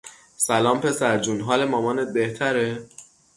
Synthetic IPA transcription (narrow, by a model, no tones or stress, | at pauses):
sælɒːmpʰe̞sæɾd͡ʒuːnɦɒːlemɒːmɒːnet̪̚beht̪ʰæɾe